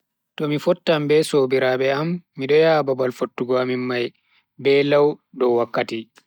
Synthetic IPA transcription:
tɔmifɔtːambɛsobiɾabɛamːiɗɔjababalfotːuɡɔamimːaj | bɛlawɗɔwakːati

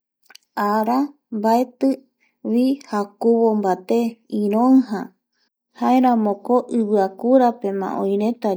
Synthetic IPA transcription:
aɾa | mbaet̪ɨ | wihakuβombat̪e̞ĩɾõɦã | haeɾãmõkoʔɨβɨakuɾape̞mã̰ʔõj̃ɾẽ̞t̪a

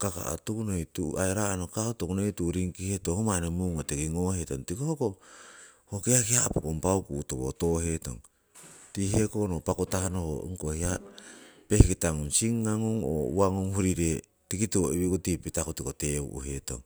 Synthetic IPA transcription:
kaka̰a̰tukunojtuaeɾanokaotokunejtuɾiŋkihetohomanemuŋotekiŋohetoŋtikohoko | hokeakiapokompawkutoβo̰toɦeto̞̰ŋ | tihe̞konopakotahanoho̰ŋkohia | pehkitaŋunsiŋːaŋoŋo̰uaŋoŋhuɾiɾe | tikituoiβikotipitakotikoteṵʔṵheto̰ŋ

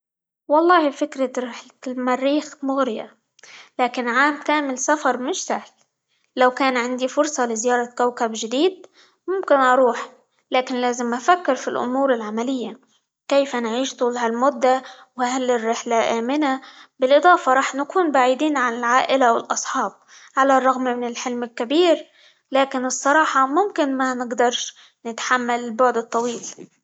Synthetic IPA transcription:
wɑlˤːɑːhibfɪkɾaɾɪħllmarːiːxmʊɣɾɪja̰ | laːkɪnʕaːmkaːmɪlsafɑɾˤmɪʃsahlː | awkaːnʕɪnd̪ifʊɾsˤɑlɪzɪjɑːɾˤɑkawkabʒɪd̪iːd̪̚ | mʊmkɪnʔɑɾˤuːħ | laːkɪnlaːzɪmʔafakːɪɾfilʔʊ̰muːɾɪlʕamalɪjːa | kejfanʕiːʃt̪ˤuːlɦalmʊd̪ːa | wahalːɪrːɪħlaʔaːmɪnabɪlʔɨd̪ˤɑːfɑɾˤɑːħnakuːnbaʕiːd̪iːnʕanɪlʕaːʔɪlawɪlʔɑsˤħɑːb̚ | ʕalarˤːɑɣmmɪnɪlħɪlmɪlkabiːɾ | laːkɪnɨsˤːɑɾˤɑːħɑmʊmkɪnmanɪɡd̪ɑɾˤʃ | nɪt̪ħamːalɪlbʊʕd̪ɨt̪ˤːɑwiːl

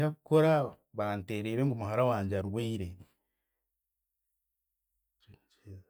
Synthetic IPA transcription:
akukoɾa | βanteːɾeːɾeŋɡumuhaɾawaːɲɟaɾuweiɾe

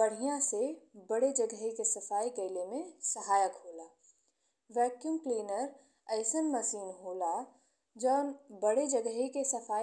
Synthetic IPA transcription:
bəɽ̤ijãsebəɽed͡ʒəɡɦikesɐfaːikəɪlemẽsəɦaːjəkɦoːlaː | ʋɛːkjumkliːnəɾ | əɪsənməsiːnɦoːla | d͡ʒəːnbəɽed͡ʒəɡɦekesəfʰaː

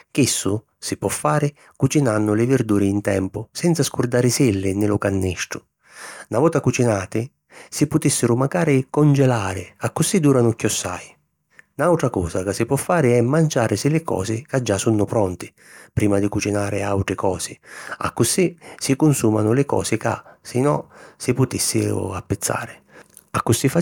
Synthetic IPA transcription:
k̟isːʊ | sɪpwɔfːaːɾɪ | kut͡ʃinanːʊlɪvɪɾd̪uːɾɪːnt̪ɛ̰mpʊsɛnt̪saskʊrd̪aːɾɪsɪlːɪnɪlʊkanːiʃʈʊ̥ | navɔːt̪akut͡ʃinaːt̪ɪ | sɪpʊt̪isːɪɾʊmaɡaːɾɪkɔnd͡ʒɛlaːɾɪakːʊsid̪uːɾanʊkːjɔsːa̰j | nawt̪ɾakɔ̰ːsakasːɪpwɔfːaːɾɪɛmːant͡ʃaːɾɪsɪlɪkɔ̰ːsɪkad͡ʒːasunːʊpɾɔnt̪ɪ̥ | pɾiːmad̪ɪkut͡ʃinaːɾɪawt̪ɾɪkɔːsɪa̰kːʊsisɪkʊnsuːma̰nʊlɪkɔ̰ːsɪka̰sɪnɔsɪpʊt̪ɪsːɪ̰ʊ̰apːɪt̪sːa̰ːɾɪ | akːʊsifa

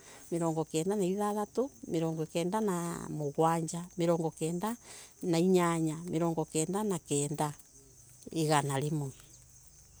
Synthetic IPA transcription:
meɾɔːŋɡɔkɛːndanaiðaðatomeɾɔːŋɡɔkɛːndana̰moɣwaɲd͡ʒameɾɔːŋɡɔkɛːndanaiɲaɲameɾɔːŋɡɔkɛːndanakɛːnda | eɣanaɾemwɛ

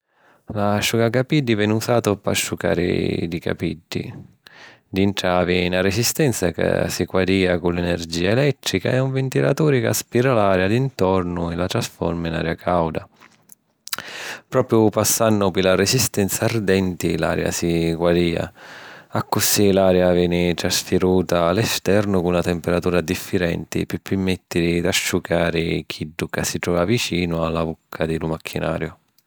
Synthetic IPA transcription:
laʃːukakapid̪ːivɛnusaːt̪ʊpa̰ʃːuka̰ːɾɪ̰d̪ika̰pid̪ːḭ | d̪iɳʈ̪ɾaːviinaresist̪ɛnt̪saka̰sikwaɾiːakulɛnɛrd͡ʒiːaɛlɛt̪ːɾika̰ɛuɱvɪnt̪ila̰t̪uːɾɪka̰spiɾalaːɾjad̪int̪ɔɾnʊɪlat̪ɾasfɔ̰ɾmina̰ːɾjakʰawd̪a | pɾɔːpɾjʊpasːanːʊpɪlaɾɛsist̪ɛnt̪sard̪ɛnt̪ila̰ːɾja̰siɡwaɾiːa̰akːʊsilaːɾjavjɛːnɪt̪ɾasfiɾuːt̪aːlɛst̪ɛɾnʊkunat̪ɛmpɛɾat̪uːɾad̪ifːiɾɛ̰nt̪ɪ̰pɪpːɪmːɛt̪ːɪɾid̪aʃːukaːɾɪk̟ʰiɖːukasːit̪ɾɔːvavit͡ʃiːnʊalːabukʰːad̪ɪlumakʰːinʔa̰ːɾjʊ

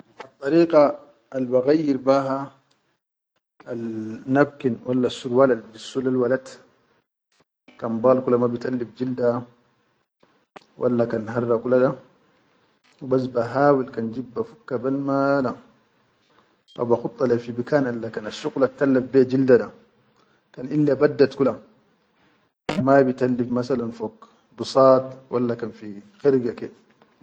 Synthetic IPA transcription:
ʔɑt̪ˤːɑɾiːqa | albaɣajːiɾbaːɦa | alnab̚kinwalːasulwaladbisːulalwalat̪ | kanbaːlkulamabit̪alːibd͡ʒilda | wʔa̰lːakanɦarːakulada | bas̬baɦaːwilkand͡ʒibːafukːabalmala | fa̰baxut̪ʼˤːɑlafibikanʔalːakanaʃuqlat̪ːalːafbɛd͡ʒildaɗa | kanʔilːabadːat̪kula | mabit̪alːifmasalanfok | busɑːt̪walːakanfixiɾɡakɛ

